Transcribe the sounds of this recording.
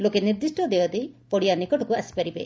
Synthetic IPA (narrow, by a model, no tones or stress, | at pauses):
lokeniɾd̪isʈɔd̪eɔd̪epɔɽijanikɔʈɔkuasi̥paɾibe